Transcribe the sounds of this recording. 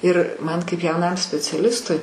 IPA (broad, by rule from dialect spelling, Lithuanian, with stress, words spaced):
ɪr ˈmɐn kɐɪp jɛʊˈnɐm sʲpʲɛt͡sʲɛˈlʲɪstʊɪ